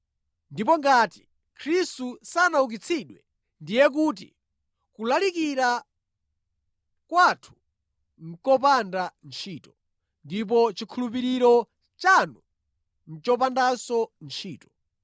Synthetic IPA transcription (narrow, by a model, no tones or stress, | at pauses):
ndipɔŋɡaːti̥ | kʰɾistusanauk̬it͡sʰiɗwɛ | ndijɛk̬uːt̬ḭ | kulalikiɾa | kwatʰu̥ | ŋ̩kɔp̬andant͡ʃʰiːtɔ | ndip̬ɔt͡ʃikʰulup̬iɾiɾɔ | t͡ʃanu | n̩t͡ʃɔp̬andasɔnt͡ʃʰiːtɔ̥